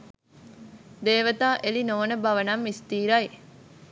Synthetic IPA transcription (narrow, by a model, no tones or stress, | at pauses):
d̪eːʋət̪aːʔelinoːnəbɐʋənɐmːist̪iːɾɐj